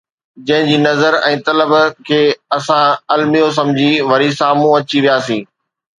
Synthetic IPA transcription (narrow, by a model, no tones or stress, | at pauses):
d͡ʑɐ̃ɦɪ̃ɲd͡ʑiːnɐzəɾɛ̃ːt̪ɐləbkʰeːɐsãɐlmijos̬ɐ̃md͡ʑʱiʋɐɾisaːmũɐt͡ɕiʋijaːsĩː